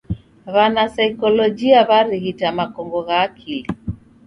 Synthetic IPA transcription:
βanasaikɔlɔd͡ʒiaβaɾihitamakɔŋɡɔɣaːkʰili

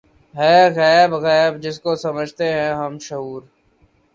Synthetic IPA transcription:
ɦɛːɣɛːbɣɛːbd͡ʒɪskosəməd͡ʒʱt̪eɦɛ̃ɦəmʃʊɦuːɾ

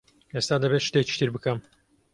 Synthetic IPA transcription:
est̪aːd̪ɐbet̪ʃɨ̥t̪ek̚t͡ʃi̥t̪ʰɨɾbɨkɐm

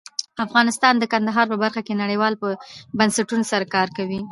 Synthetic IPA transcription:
afɣɑnɪst̪ɑnd̪əkand̪aɦɑɾpəbaɾxakenaɽəjwɑlpəbansaʈunosaɾakɑɾkawi

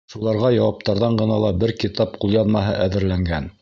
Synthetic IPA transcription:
ʃulˠɑɾʁɑjɑwɑp̚t̪ɑɾðɑɴɢɤ̆nɑlˠɑbɘɾkit̪ɑp̚qulˠjɑnmɑɦɤʔæðɘ̆ɾlæŋɡæn

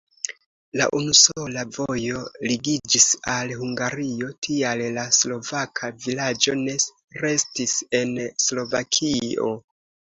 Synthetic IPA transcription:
la̰ʔunuso̞lavo̞jo̞liɡid͡ʒisalhuŋɡaɾio̞tʰiallaslo̞vakʰavilad͡ʒo̞ne̞ | ɾe̞stise̞nslo̞vakʰio̞̰

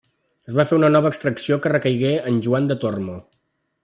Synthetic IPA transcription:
əzβafeunənɔβəːkst̪ɾəksiokərəkəjɣeənʲʒuand̪ət̪ormo

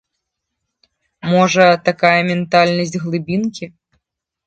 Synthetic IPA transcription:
mɔʐɐt̪akajɐmʲɛnt̪alʲnɐsʲtʲɣlˠɨbʲinkʲi

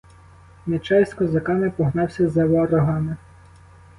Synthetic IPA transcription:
net͡ʃɑjsʲt̪ʲkɔzɐkɑnepɔɦnɑwsʲɐzɐʋɔːɾɔɦɑnɪ

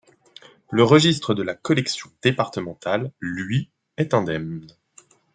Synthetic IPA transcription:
ləʁəʒist̪χəd̪əlakɔlɛksjɔ̃d̪̥epaʁt̪əmɑ̃t̪alːɥi | ɛt̪ɛ̃d̪ɛmn

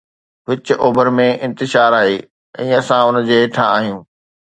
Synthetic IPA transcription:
ʋɪt͡ɕʔoːbəɾmẽʔɪ̃nt̪ɪʃaːɾaːɦeː | ɛ̰̃ːɐsãʊnd͡ʑeːʈʰãaːɦijũː

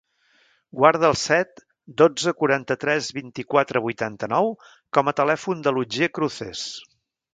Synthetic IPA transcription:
ɡwaɾð̞əːlˠsɛt̪ | d̪od͡zəkuɾant̪ət̪ɾɛzβint̪ikwat̪ɾəβujt̪ant̪ənɔw | kɔmət̪əlɛfund̪əlud͡ʒekɾuθes

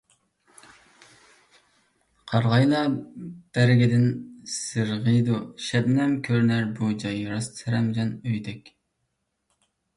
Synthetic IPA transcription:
qʰɑɾʁɑjlˠɑb̥æɾɡʲid̪ɪnsɨɾʁəjd̪uʃɛbnɛmkʲʰøɾnæɾbud͡ʒɑjɾɑst̪ʰɛɾɛmd͡ʒɑnøjd̪ɛkʲ

